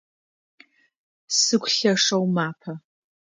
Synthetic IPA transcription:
sɨkʷɬɐʂɐwmaːpʰɐ

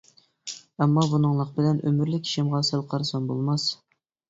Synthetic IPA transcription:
ɛmːɑbunɨŋlˠəq̚bɪlɛnʔømyɾlɪkʲʰi̥ʃimʁɑsælˠqʰɑɾsɑnbo̰lˠmɑs

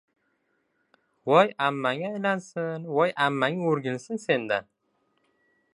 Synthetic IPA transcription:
wɒjamːaŋʲajlansɪnwɒjʔamːaŋɪɵɾɡʲɪnsɪnse̞nd̪a

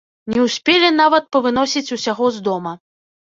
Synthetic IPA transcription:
nʲɛwsʲpʲɛlʲɛn̪avɐt̪̚pɐvɨn̪ɔsʲit͡sʲusʲaɣɔzd̪ɔmɐ

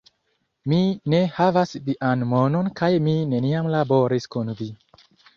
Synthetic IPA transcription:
mine̞havasliʔanmononkajmine̞niamlaboɾiskunvi

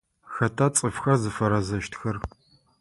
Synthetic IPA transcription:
xɐtʰat͡sʼɨfxɐzɨfɐɾɐzɐʃtʰxɐr

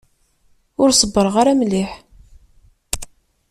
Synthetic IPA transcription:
ʊɾsˤəbːəɾˤʁaɾæmliħ

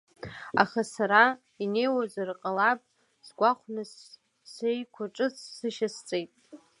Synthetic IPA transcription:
a̰χasaɾa | ine̞jwazarqʼalapʼ | sɡʷaχʷnɨs | sejkʷʰaʈ͡ʂʼɨt͡sʰsɨʃast͡sʼejtʼ

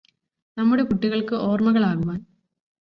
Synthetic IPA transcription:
nɐmːuɽe̞kuʈːiɣɐɭkɨʔo̞ːrmɐɣɐɭaːɣuʋaːn

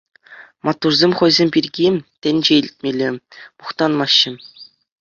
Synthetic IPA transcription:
mɑt̪ːurzʲemʲχɤ̆jzʲemʲpʲirʲɡʲit̪ʲɘ̆nʲd͡ʑeilʲt̪̚ʲmʲelʲemuχt̪ɑnmɑɕːɘ̆

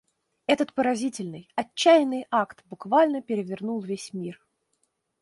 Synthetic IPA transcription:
ɛt̪ət̪pəɾɐzʲitʲɪlʲnɨjɐt͡ɕːæjɪnːɨjakt̪bʊkvalʲnəpʲɪɾʲɪvʲɪrnulˠvʲesʲmʲir

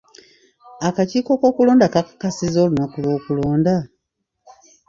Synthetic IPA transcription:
akaciːko̞ko̞ːkuloːndakakakasizolunakulwo̞ːkuloːnda

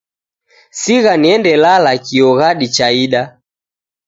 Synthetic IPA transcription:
siɣaniɛndɛlalakiɔɣaɗit͡ʃaiɗa

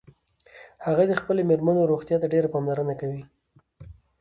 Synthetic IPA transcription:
haɣad̪əxpəlemeɾmənoɾoɣt̪jɑt̪aɖeɾapɑmlaɾənakawi

